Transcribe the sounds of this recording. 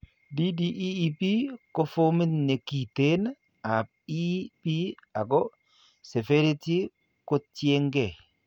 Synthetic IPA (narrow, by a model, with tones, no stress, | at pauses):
di˦di˦ʔiː˦pi˦ko˦fo˦mi˦ne˨ki˨t̪e˦n | a˨p̚ | i˦pi˦a˨ko˦ | se˨fe˦ɾi˦ti˦ | ko˦tje˦ŋɡe˨